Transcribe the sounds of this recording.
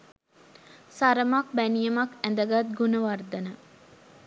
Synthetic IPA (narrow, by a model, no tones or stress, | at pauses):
saɾəmak̚bænijɐmakænd̪əɡat̪̚ɡunəʋard̪ɐnə